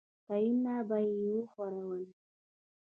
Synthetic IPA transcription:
t̪ajinːabajewoxwaɾawən

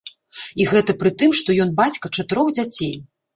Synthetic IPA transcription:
iɣɛt̪ɐpɾɨt̪ɨmʂt̪ɔjɔnbat͡sʲkɐt͡ʂat̪ɨɾɔwd͡zʲat͡sʲej

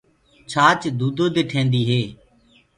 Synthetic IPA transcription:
t͡ʃʰaːt͡ʃd̪uːd̪oːd̪eːʈʰẽːnd̪iːɦeː

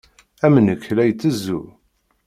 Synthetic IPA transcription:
æmənəkːlæjt͡sːəzːu

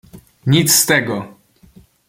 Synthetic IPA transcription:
ɲit̪sst̪ɛɡɔ

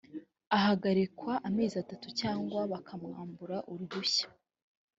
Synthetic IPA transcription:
aɦaɡaɾikwaʔːme̞ːzatatucaːŋɡwaβakʰamŋaːmbuɾaʔuɾɡuçḁ

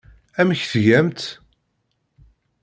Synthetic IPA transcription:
æmçθʝæmt̪

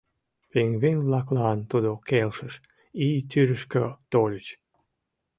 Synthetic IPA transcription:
peŋβeŋβlɑklɑnt̪ud̪okelʃəʃ | it̪yɾəʃkøt̪olʲət͡ɕ

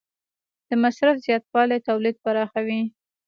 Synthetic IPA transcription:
d̪̥əmasɾafz̥jɑt̪̚wɑlet̪awlid̪̚paɾɑxawi

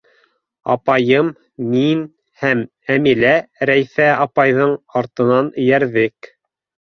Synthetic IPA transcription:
ɑ̰pɑjɤmː | in | hæm | æmilæɾæjθæɑpɑjðɤɴɑɾt̪ɤ̆nɑnɘ̆jæɾðɘk

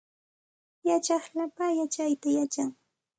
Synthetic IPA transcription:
jat͡ʃɑχlapajat͡ʃajt̪ajat͡ʃaŋ

